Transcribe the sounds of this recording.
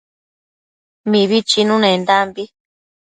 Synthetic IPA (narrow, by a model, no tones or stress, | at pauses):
mĩβit͡ʃinũnẽnd̪ambi